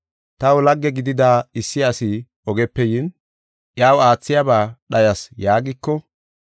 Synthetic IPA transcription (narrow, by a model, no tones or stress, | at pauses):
t̪ɐwʊlɐɡːɛɡɪd̪ɪd̪aːɪsːɪɐsɪ | ɔɡɛpːɛjɪn | ʔjaːwaːt͡sːɪjɐbaːɗɐjɐsjaːɡɪkːɔ